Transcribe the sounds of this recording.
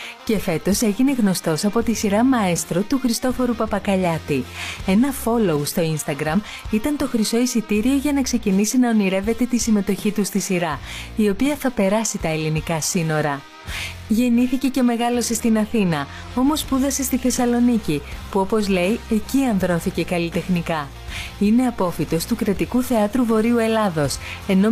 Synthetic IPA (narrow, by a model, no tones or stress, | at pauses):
ce̞fe̞t̪o̞se̞ʝine̞ɣno̞st̪o̞sɐpo̞t̪isiɾɐmɐest̪ɾo̞t̪uxɾist̪o̞fo̞ɾupɐpɐkɐʎɐt̪ie̞nɐfo̞loust̪o̞inst̪ɐɡɾɐm | it̪ɐnt̪o̞xɾiso̞isit̪iɾio̞ʝɐnɐkse̞cinisinɐoniɾe̞ve̞t̪e̞t̪isime̞t̪o̞çit̪ust̪isiɾɐio̞piɐθɐpe̞ɾɐsit̪ɐelinikɐsino̞ɾɐ | ʝe̞niθice̞ce̞me̞ɣɐlo̞se̞st̪inɐθinɐ | o̞mo̞spuðɐse̞st̪iθe̞sɐlo̞nicipuo̞po̞zle̞je̞ciɐnðɾo̞θice̞kɐlit̪e̞xnikɐ | ine̞ɐpo̞fit̪o̞st̪ukɾɐt̪ikuθe̞ɐt̪ɾuvo̞ɾiue̞lɐðo̞se̞no̞